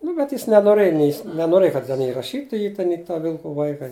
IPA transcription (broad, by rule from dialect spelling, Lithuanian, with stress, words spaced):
ˈnʊ bʲɛt ˈjɪs nʲɛnoːˈrɘj nʲɛɪ jɪs nʲɛnoːˈrɘj kɐt tʲɛn ˈjɪ rɐˈʃʲiːtʊ ˈjiː tʲɛn ɪ tɐ ˈʋʲɪlˠkʊ ˈʋɐɪkɐ